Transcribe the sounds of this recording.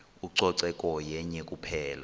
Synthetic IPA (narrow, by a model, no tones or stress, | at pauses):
uǀɔǀɛkʼɔjɛɲɛkʼupʰɛːla